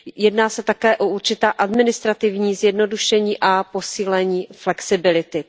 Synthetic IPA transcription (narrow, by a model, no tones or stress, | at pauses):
jɛdnaːsɛt̪akɛːʔoʔuɾt͡ʃɪt̪aːʔadmɪnɪst̪ɾat̪ɪvɲiːzjɛdno̞duʃɛɲiːʔapo̞siːlɛɲiːflɛksɪbɪlɪt̪ɪ